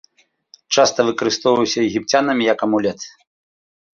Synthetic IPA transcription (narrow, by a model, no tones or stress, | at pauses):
t͡ʂast̪ɐvɨkɐɾɨst̪ɔwvɐwsʲɐjɛɣʲipt͡sʲanɐmʲijɐkɐmulʲɛt̪